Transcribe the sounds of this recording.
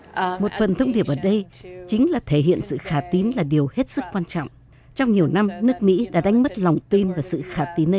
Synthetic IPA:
mo˨˩t̚fə˨˩nt̪ʰə˧wŋ͡mɗi˨˩əp̚ʔəː˧˩ɗə˧jt͡ɕï˨˦ŋ̟laː˨˩t̪ʰe˧˩hɦḭ˧˨ənsɨ̰˧˨xaː˧˩t̪i˨˦nlaː˨˩ɗi˨˩əwhe˦˥t̚sɨ˦˥k̚kwaː˧nt͡ɕɔ̰˧˨ŋ͡m | t͡ɕɔ˧wŋ͡mɲi˨˩əwna˧mnɨ˦˥ək̚mḭ˧˥ɗa̰ː˧˥ɗa˨˦jŋ̟mə˦˥t̚la˨˩wŋ͡mt̪i˧nvaː˨˩sɨ̰˧˨xaː˧˩t̪i˨˦nə˧˦

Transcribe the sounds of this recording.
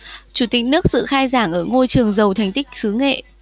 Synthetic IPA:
t͡ɕu˧˩t̪ï˧˩k̟̚nɨ˦˥ək̚sɨ̰˧˨xaː˧jzaː˧˩ŋʔəː˧˩ŋo˧jt͡ɕɨ˨˩əŋzə˨˩wt̪ʰa˨˩jŋ̟t̪ï˦˥k̟̚sɨ˨˦ŋḛ˧˨

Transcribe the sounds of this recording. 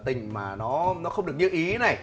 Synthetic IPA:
t̪ï˨˩ŋ̟maː˨˩nɔ˨˦nɔ˨˦xə˧wŋ͡mɗɨ˨˩ək̚ɲɨ˧ʔi˨˦na˨˩j

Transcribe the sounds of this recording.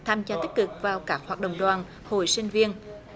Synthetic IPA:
t̪ʰaː˧mt͡ɕaː˧t̪i˦˥k̚kɨ˨˩k̚vaː˨˩wkaː˦˥k̚hwaː˨˩ɗə̰˧˨wŋ͡mɗwaː˨˩n | ho̰˨˧˩jsï˧ŋ̟vi˧ən

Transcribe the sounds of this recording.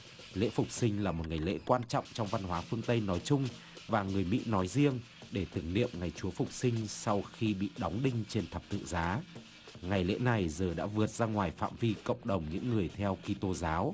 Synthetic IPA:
lḛ˧˥fʊ˨˩k͡p̚sï˧ŋ̟laː˨˩mo˨˩t̚ŋa˨˩jlḛ˧˥kwaː˧nt͡ɕɔ̰˧˨wŋ͡mt͡ɕɔ˧wŋ͡mva˧nɦwaː˨˦fɨ˧əŋt̪ə˧jnɔ˨˦jt͡ɕʊ˧ŋ͡m | vaː˨˩ŋɨ˨˩əjmḭ˧˥nɔ˨˦jzi˧əŋ | ɗe˧˩t̪ɨ˨˧˩əŋnḭ˧˨əmŋa˨˩jt͡ɕu˨˦əfʊ˨˩k͡p̚sï˧ŋ̟sa˧wxi˧ɓḭ˧˨ɗɔ˨˦wŋ͡mɗï˧ŋ̟t͡ɕe˧nt̪ʰə˨˩p̚t̪ɨ̰˧˨ŋzaː˨˦ | ŋa˨˩jlḛ˧˥na˨˩jzəː˨˩ɗa̰ː˧˥vɨ˨˩ət̚z̥aː˧ŋwaː˨˩jfa̰ː˧˨mvi˧kə̰˧˨wŋ͡mɗə˨˩wŋ͡mɲɨ̰˧˥ŋːɨ˨˩əjt̪ʰɛ˧wki˧t̪o˧zaː˨˦w

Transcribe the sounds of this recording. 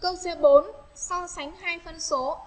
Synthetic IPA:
kə˧wse˨˦ɓo˨˦nsɔ˧sa˨˦jŋ̟ɦaː˧jfə˧nso˨˦

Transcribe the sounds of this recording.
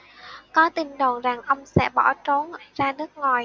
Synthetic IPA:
kɔ˨˦t̪i˧˩ŋɗo˨˩nza˨˩ŋʔə˧wŋ͡msɛ̰˧˥ɓɔ˧˩t͡ɕo˨˦nzaː˧nɨ˦˥ək̚ŋɔ˨˩j

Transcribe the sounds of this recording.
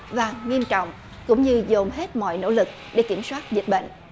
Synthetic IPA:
vaː˨˩ŋi˧əmt͡ɕɔ̰˧˨wŋ͡m | kʊ̰˧˥wŋ͡mɲɨ˧zo˨˩mɦe˦˥t̚mɔ̰˧˨jno̰˧˥lɨ˨˩k̚ɗe˧˩˦ki˧˩əmswaː˦˥t̚zi˨˩t̚ɓḛ˧˨ŋ̟

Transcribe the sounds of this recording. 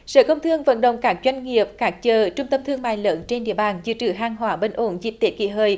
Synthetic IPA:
sə̰ː˧˩kə˧wŋ͡mt̪ʰɨ˧əŋvə̰˧˥nɗə̰˧˨wŋ͡mkaː˦˥k̚zwa˧jŋ̟ŋi˨˩əp̚kaː˦˥k̚t͡ɕəː˨˩t͡ɕʊ˧ŋ͡mt̪ə˧mt̪ʰɨ˧əŋma̰ː˧˨jləː˨˦nt͡ɕe˧nɗḭ˧˨əɓaː˨˩nzɨ̰˧˥t͡ɕɨ˧˩ɦaː˧˩ŋɦwaː˨˦ɓe˧nʔo˨˦nzḭ˨˧˩p̚t̪e˨˥kḭ˧˩ɦəː˨˩j

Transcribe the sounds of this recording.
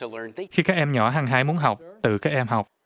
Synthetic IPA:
xi˧kaː˦˥k̚ʔɛ˧mɲɔ̰˧˩ɦaː˧ŋɦaː˧jmu˨˦ənɦa˨˩wk͡p̚t̪ɨ̰˧˨kaː˦˥k̚ʔɛ˧mɦa˨˩wk͡p̚

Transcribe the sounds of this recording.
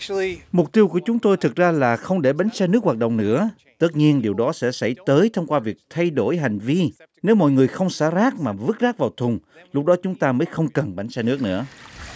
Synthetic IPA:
imʊ˨˩k͡p̚t̪i˧əwku˧˩ət͡ɕʊ˨˦ŋ͡mt̪o˧jt̪ʰɨ˨˩k̚zaː˧laː˨˩xə˧wŋ͡mɗe˧˩ɓa˨˦jŋ̟sɛː˧nɨ˦˥ək̚waː˨˩ɗə̰˧˨wŋ͡mnɨ̰˧˥ə | t̪ə˦˥t̚ɲi˧ənɗi˨˩əwɗɔ˨˦sɛ̰˧˥sa̰˧˩jt̪əː˨˦jt̪ʰə˧wŋ͡mkwaː˧vi˨˩ək̚t̪ʰa˧jɗo˧˩jɦa˨˩jŋ̟vi˧ | ne˨˦wmɔ̰˧˨jŋɨ˨˩əjxə˧wŋ͡msaː˧˥zaː˦˥k̚maː˨˩vɨ˦˥k̚zaː˦˥k̚vaː˨˩wt̪ʰʊ˨˩ŋ͡mlʊ˦˥k͡p̚ɗɔ˨˦t͡ɕʊ˨˦ŋ͡mt̪aː˧məː˨˦jxə˧wŋ͡mkə˨˩nɓa˨˦jŋ̟sɛ˧nɨ˦˥ək̚nɨ̰˧˥ə

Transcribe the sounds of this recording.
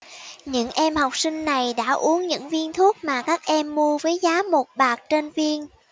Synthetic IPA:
ɲɨ̰˧˥ŋʔɛ˧mha˨˩wk͡p̚sï˧ŋ̟na˨˩jɗa̰ː˧˥ʔu˨˦əŋɲɨ̰˧˥ŋvi˧ənt̪ʰu˦˥ət̚maː˨˩kaː˦˥k̚ʔɛ˧mːu˧əvəː˨˦jzaː˨˦mo˨˩t̚ɓaː˨˩k̚t͡ɕe˧nvi˧ən

